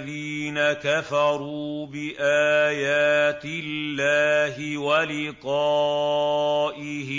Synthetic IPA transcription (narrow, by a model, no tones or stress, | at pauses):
ðiːnakafɑɾuːbɪʔaːjaːt̪ɪlːaːɦɪwalɪqɑ | ʔɪhɪ